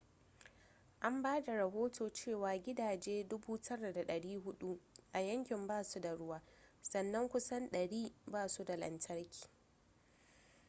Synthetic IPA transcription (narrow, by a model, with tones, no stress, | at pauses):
ʔa˦mbaː˦da˨ɾɐ˨ɦoː˦tʰoː˨t͡ʃeː˦˨waː˨ɡʲɪ˦daː˨d͡ʒeː˦dʊ˦buː˦tʰɐ˦ɽa˨da˨ɗɐ˨ɽiː˦ɦʊ˦ɗu˦ʔa˨jɐ˦ŋkʲɪ˨mbaː˦˨su˦da˨ɽʊ˦waː˦sɐ˨nːɐ˦ŋkʷʊ˦sɐ˦nɗɐ˨ɽiː˦baː˦˨su˦da˨lɐ̰˨ntʰɐ˦rkʲi̥ː˨